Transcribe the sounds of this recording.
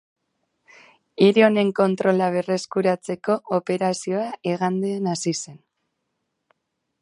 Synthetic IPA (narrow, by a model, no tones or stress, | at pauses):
iɾio̞ne̞ŋko̞nt̪ɾo̞laβ̞e̞re̞skuɾat͡se̞ko̞ʔːpe̞ɾasio̞aʔeɣand̪eːnasise̞n